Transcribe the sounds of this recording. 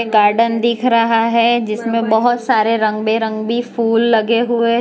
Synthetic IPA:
ɡaːɾɖənd̪ɪːkʰɾɐɦaɦɛd͡ʒɪsmẽbɐɦʊt̪saːɾeɾɐ̃ŋɡbeɾɐ̃ŋɡbʱifuːlːɐɡeɦʊe

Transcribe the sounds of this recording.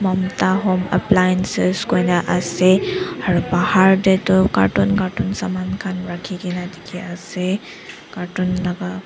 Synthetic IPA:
mɔmtaɦɔmɛ̰plajɛnseskojnaʔasɛaɹubahaɹdɛtɔka̰tunkatunsamankʰanɹakʰikinadikʰiasɛ | katunlaɡa

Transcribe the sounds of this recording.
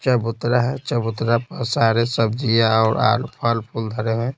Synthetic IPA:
t͡ʃəbʊt̪ɾaɦɛt͡ʃəbʊt̪ɾapəsaːɾesəbd͡ʒijaɔːɾa̰ːlpʰaːlpʰuld̪ʱəɾeɦẽ

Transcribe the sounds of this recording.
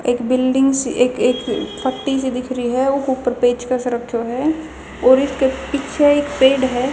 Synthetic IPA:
eːkbɪlɖɪ̃ŋɡseːkeːkpʰəʈːisid̪ɪkʰɾiɦɛʊkuːpːəɾpeːt͡ʃkasʊɾəkʰːjoɦɛ | ɔːɾɪskepɪt͡ʃʰeeːkpeːɖɦɛː

